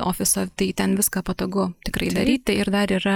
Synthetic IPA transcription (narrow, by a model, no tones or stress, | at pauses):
o̰ːfʲɪsoːt̪ɐɪt̪ʲɛnʋʲɪskɑːpɐt̪oːɡʊt̪ʲɪkɾɐɪd̪ɐɾʲiːt̪ʲɪɪɾd̪ɐɾiːɾɐ